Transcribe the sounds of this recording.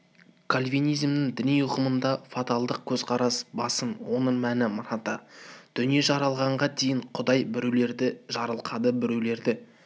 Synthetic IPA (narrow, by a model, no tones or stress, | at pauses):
kʰalʲvijnijzmnɪŋd̪ɪnijʊqəmənd̪ɑfat̪alˠd̪əq̚kʲʰɵzqʰɑɾɑsbɑsənwo̞nəɴmænɪmʊɾɑt̪ɑd̪̥ʏnije̞ʒɑɾɑlˠʁɑɴʁɑd̪ejɪɴqʰʊd̪ɑjbɪɾele̞ɾd̪ɪʒɑɾəlˠqʰɑd̪əbɪɾewle̞ɾd̪ɪ